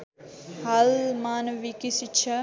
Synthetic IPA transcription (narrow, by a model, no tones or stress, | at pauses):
hɐlmaːnɐʋikisit͡ʃʰɐ